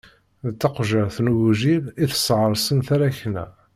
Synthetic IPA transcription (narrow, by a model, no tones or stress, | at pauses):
ðt͡s̪ːɑqʒəɾθnuwʒiliθə̥sʕɾˤsˤənθaɾæçnæ̰